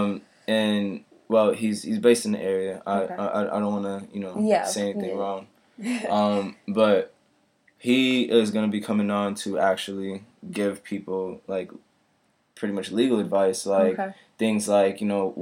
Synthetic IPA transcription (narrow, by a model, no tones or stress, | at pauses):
m | ɨ̃n | wɛlˠhiz̥hizbeɪstn̩ðḭʔɛɹiɨʔa̰ɪaɪʔa̰ɪʔaɪɾõʊ̃nwɑnəjɨnoʊjseɪɛniθɪ̃ŋɹɔãʊ̃n | ʔʌ̃mb̥ʌt̚ | hiɪzɡʌnɨbikʰʌmɪ̃ŋə̃ntʰɨæk̚t͡ʃul̩ˠiɡɪv̥pʰipl̩ˠlaɪk | pʰɹ̥ɪɾimʌt͡ʃliɡl̩ˠədvaɪslaɪk | θɪ̃ŋzlaɪkjɨnoʊ